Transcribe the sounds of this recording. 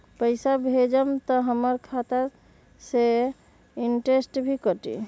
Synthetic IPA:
pəɪjsabʱed͡ʒəmt̪ɔɦəməɾkʰat̪a | se | iɳʈesʈbʱikəʈḭ

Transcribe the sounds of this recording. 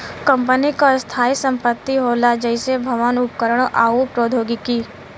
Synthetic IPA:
kɐ̃mpənikast̪ʰaːisə̃mpət̪ːiɦoːlad͡ʒɛɪsebʱɐʋanʊpkəɾəɽ̃ʔaːupɾoːd̪ʱoːɡikiː

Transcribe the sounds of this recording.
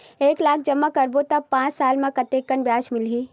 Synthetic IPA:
eːklaːk̚ʰd͡ʒəmːakəɾbot̪ɐpãːt͡ʃsaːlmãkɐt̪eːkənbjaːʃmɪlɦiː

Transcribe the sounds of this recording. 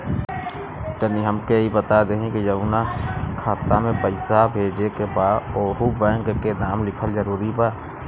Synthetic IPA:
t̪əniɦəmkeɦibət̪ad̪eɦẽkijəunakʰaːt̪amẽpəɪsabʱeːd͡ʒekebaːoːɦubɛ̃ːŋkkenaːmlɪkʰəlzəɾuːɾibaː

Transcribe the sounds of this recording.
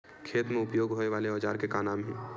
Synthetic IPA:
kʰeːt̪mẽʊpjoːɡɦoːneʋaːleɔːd͡ʒaːɾkekaːnaːmɦɛ̃ː

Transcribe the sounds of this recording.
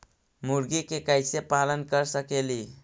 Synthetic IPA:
muɾɡikekajsepalənkəɾsəkeli

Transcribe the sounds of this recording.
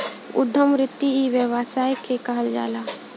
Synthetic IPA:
ʊ̰d̪ʱːəmɾɪt̪ːiiʋəʋaːsaːjkʰekaɦəld͡ʒa̰ːlaː

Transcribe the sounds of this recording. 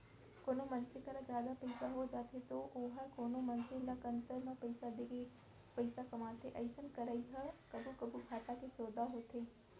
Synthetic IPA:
koːnomɐnsɪkəɾad͡ʒjaːd̪apɐɪsaɦod͡ʒaːt̪ʰet̪oʔoːɦəkoːnomɐnsɪlakə̃nt̪əɾnãpɐɪsad̪eke | pɐɪsakɐmaːt̪eʔɐɪsənkɐɾaiɦɐkɐbʱukɐbubʱaːʈakesoːd̪aɦot̪ʰeː

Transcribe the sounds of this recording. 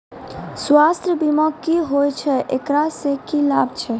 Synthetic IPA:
sʋast̪ɾəbimakːiɦojt͡ʃʰɛʔekɾasekilabt͡ʃʰɛ

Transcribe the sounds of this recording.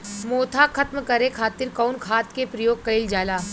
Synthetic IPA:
moːt̪ʰakʰɐt̪mkɐɾekʰaːt̪ɪɾkɔːnkʰaːt̪kepɾɐjoːɡɡ̚kɐɪld͡ʒaːlaː

